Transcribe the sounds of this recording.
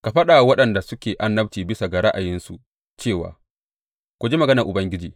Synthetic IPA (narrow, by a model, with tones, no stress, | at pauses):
ka˨ɸɐ˦ɗa˨wɐ˦ɗɐ˨nda˨sʊ˦kʲeː˨ʔa˦nːɐ˦btiː˨bɪ˦sa˨ɡa˨ɽa˦ʔa˨jɪ˦nsu˨ | t͡ʃeː˦˨wa̰ː˨ | kʷu˨d͡ʒeː˦mɐ˨ɡɐ˦nɐ˨ʔʊ˨bɐ˦ŋɡʲɪ˦d͡ʒḭː˨